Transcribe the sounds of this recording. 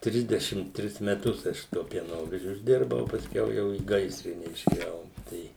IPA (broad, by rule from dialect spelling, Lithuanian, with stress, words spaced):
ˈtʲrʲɪzʲdʲɛʃʲɪm ˈtʲrʲɪs mʲɛˈtʊs ˈɐʃ sʊ tuɔ pʲiɛˈnoːʋʲɛʒʲʊ ɪʒʲˈdʲɪrbɐʊ oː pɐsʲˈkʲɛʊ ˈjɛʊ iː ˈɡɐɪsʲrʲɪnʲɛ ɪʃʲeːˈjɛʊ ˈtɐɪ